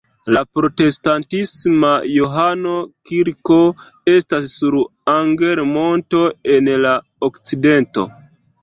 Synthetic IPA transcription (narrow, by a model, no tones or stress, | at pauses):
lapɾo̞te̞stantismajoɦano̞kiɾko̞ | e̞stasːuɾaŋɡe̞ɾmo̞nto̞e̞nla | okt͡side̞nto̞̰